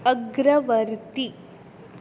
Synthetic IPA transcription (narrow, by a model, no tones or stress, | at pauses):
ɐɡɾɐʋɐɾt̪i